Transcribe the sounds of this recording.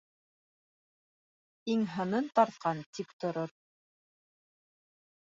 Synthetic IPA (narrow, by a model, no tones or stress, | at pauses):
iŋɦɤ̆nɤnt̪ɑɾt̪̚qʰɑnt̪ipt̪ŏɾoɾ